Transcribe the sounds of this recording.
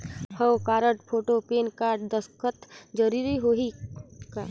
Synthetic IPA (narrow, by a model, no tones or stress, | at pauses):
həwkaːɾəʈpʰoːʈopeːnkaːʈd̪əskʰət̪d͡ʒəɾiːɾiɦoɦika